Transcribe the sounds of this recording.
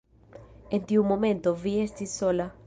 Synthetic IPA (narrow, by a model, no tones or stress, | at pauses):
ẽnt̪iũmːõmẽnt̪oviest̪isola